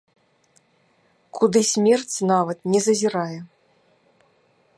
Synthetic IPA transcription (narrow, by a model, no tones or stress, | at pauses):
kʰud̪ɨsʲmʲɛrt͡sʲnavɐt̪nʲɛzɐzʲiɾajɛ